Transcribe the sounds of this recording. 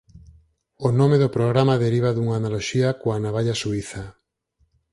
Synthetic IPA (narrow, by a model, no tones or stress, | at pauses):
onomeðʊpɾoɣɾamaðeɾiβ̞aðuŋaːnaloʃiakoanaβaʎasuiθa